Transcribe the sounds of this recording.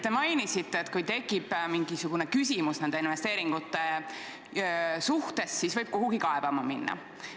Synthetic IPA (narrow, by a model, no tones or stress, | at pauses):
t̪e̞mɑjnisit̪ˑːeːt̪ːˑkujt̪e̞kːˑib̥miŋɡisuɡ̥une̞kysʲimusnend̪̥einve̞st̪e̞ːɾiŋɡ̥ut̪ːˑe̞ | suht̪e̞sːisvɤjb̥koɦuɡ̥ikɑeb̥ɑmɑminːɑ̰